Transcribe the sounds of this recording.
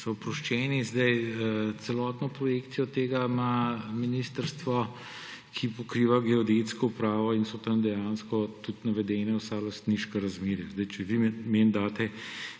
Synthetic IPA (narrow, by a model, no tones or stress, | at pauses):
sɔpɾɔʃt͡ʃɛːnizd̪ɐjt̪sɛlɔt̪nɔpɾɔjekt̪sijɔt̪eːɡamaminist̪əɾst̪ʋɔ | kʰipɔkɾiːʋaɡɛɔd̪et̪skɔupɾaːʋɔinsɔt̪ɐmd̪ɛjaːnskɔt̪ut̪nɐʋɛd̪ɛnɛwsalɐst̪niʃkɛɾɐzmeːɾjazd̪ɐjt͡ʃɛʋimend̪aːt̪ɛ